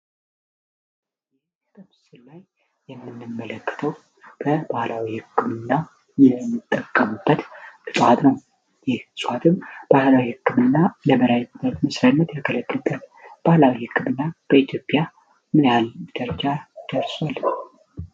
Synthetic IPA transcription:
jɛh | ɨkʼɨmsɨlːajː | ɛmːɨnːɨmːələkːə̥t̪ʰəw | b̥əbahlawihɨkːɨmɨnːa | jɛmːɨt̪ʼːəkʼːəmubːət̪ʔɨt̪ʼhat̪nəw | jɛhsʼuhat̪ʰɨmb̥ahlawihɨkːɨmɨnːaləməɾajət̪məsɾanːət̪jakʰələkʼːəbət̪b̥ahlawihɨkːɨmɨnːab̥əit̪ʰjo̞pʼːja | mɨnjald̪̥əɾd͡ʒad̪̥əɾswal

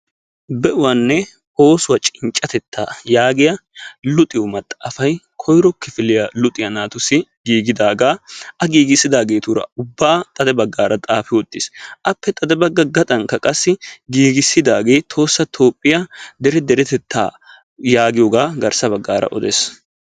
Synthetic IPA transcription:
bɛʔʊwɐnːɛ | o̞ːsʊwɐt͡ʃʼɪnt͡ʃʼːɐt̪ɛt̪ʰːa̰ːjaːɡɪjɐlʊt̪ʼɪjɔmɐt̪ʼːafɐjkʰɔjɾɔkːɪfɪlɪjalʊt̪ʼɪjɐnaːt̪ʊsɪɡiːɡɪd̪aːɡaːʔɐɡiːɡɪsːɪd̪aːɡe̞ːt̪ʊɾɐ̰ʊbːaːt̪ʼɐd̪ɛbɐɡːaːɾɐt̪ʼaːfɪwɔt̪ʼːɪsʔɐpːɛt̪ʼɐd̪ɛbɐɡːɐɡɐt̪ʼɐŋkɐkʼɐsːɪɡiːɡɪsːɪd̪aːɡe̞ːt̪ʰo̞ːsːɐt̪ʰo̞ːpʼːɪjad̪ɛɾɛd̪ɛɾɛt̪ɛt̪ːa̰ː | jaːɡɪjoːɡaːɡɐɾsɐbɐɡːaːɾɐ̰ʔɔ̰d̪ḛːs

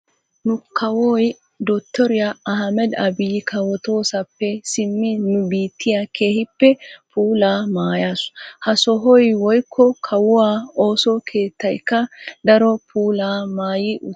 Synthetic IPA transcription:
nʊkʰɐwɔːj | d̪ot̪ːɔɾɪjaɐɦɐmɛd̪ɐbɪjɪkʰɐwɔt̪o̞ːsɐpːɛsɪmːɪnʊbiːt̪ːɪjɐkʰe̞ːhɪpːɛpʰuːlaːmaːjaːshɐsɔɦɔjwɔjkʰːɔkʰɐwʊwaːo̞ːsɔkʰe̞ːt̪ːɐjkːɐd̪ɐɾɔpʰuːlaːmaːjɪʔʊ

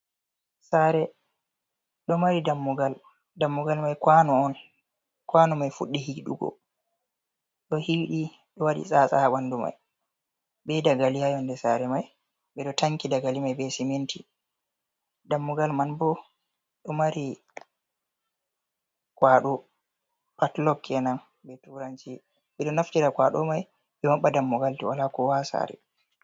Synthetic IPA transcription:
saɾɛ | ɗɔmaɾidamːuɡal | damːuɡalmajkwanɔɔn | kwanumajfuɗːihiɗṵɡɔ̰ | ɗɔhiːɗi | ɗɔwaɗḭsʼaːsaɓanduma̰j | bɛdaɡalijajɔndɛsaɾɛmaj | ɓɛɗɔtaŋkidaɡalimajbɛsimenti | damːɔɡalmanbɔ | ɗɔmaɾi | kwaɗɔ | patlɔkʰːɛnan | bɛtuɾant͡ʃi | ɓɛɗɔnaftiɾakwaɗɔ̰maj | ɓɛmaɓːadamːɔɡaltiwalakɔwasa̰ɾɛ̰

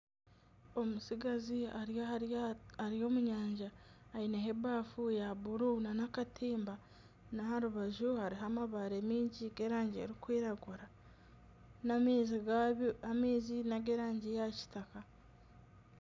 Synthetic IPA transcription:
omusiɡazia | aɾijo̞ːmuɲaːɲʒaːineɦe̞baːfujaβuɾunanakatʰiːmba | nahaɾuβaʒuhaɾiɦamaβaɾe̞miːɲɟiɡe̞ɾaːɲɟḛɾikwiːɾaɡuɾa | naziamiːzinaɡe̞ɾaːɲɟejaci̥taka

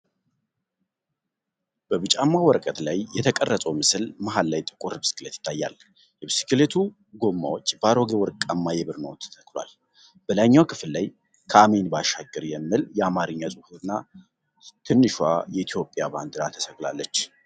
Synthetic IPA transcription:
b̥əβɨt͡ʃʼamːawɔɾkʼət̪lajjɛt̪ʰəkʼərːəsʼəwmɨsɨlmaɦalːajt̪ʼɨkʼuɾbsɨ̥kɨlet̪jɪ̥t̪ʰːajːa̰l | jɛbisɨ̥kɨlet̪ʰu | ɡo̞mːa̰wot͡ʃʼːbəaɾo̞ɡewɔɾkʼamːajɛβɨɾnowt̪ʰt̪ʰəklwa̰l | b̥əlaɲːawkʰɨflːaj | kʰəamenbaʃaɡɨɾjɛmːɨljɛamaɾɨɲːasʼɨhuɨnːa | t̪ʰɨnːɨʃwa̰jɛit̪ʰjo̞pʼːjaba̰nd̪ɨɾat̪ʰə̥səɡlalːət͡ʃː

